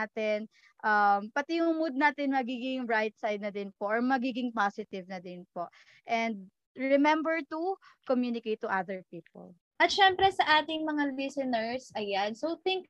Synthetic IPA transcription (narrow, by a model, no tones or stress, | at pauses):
t̪ɪn | ʔɐmpɐt̪ɪjʊŋmʊd̪̚naːt̪ɪnmɐɡiːɡɪŋɹajt̪̚sajd̪̚nɐd̪ɪnpoʔɔɹmɐɡiːɡɪŋpasɪt̪ɪvnɐd̪ɪnpo | ʔɛnd̪̚ | ɹɛmɛmbɛɹt̪ukomjunɪkejt̪ːʊʔaðəɹpiːpɔ̰l | ʔɐt̪̚ʃɛmpɾɛsɐʔaːt̪ɪŋmɐŋalɪsɪnɛɹsʔɐjansowθɪŋk̚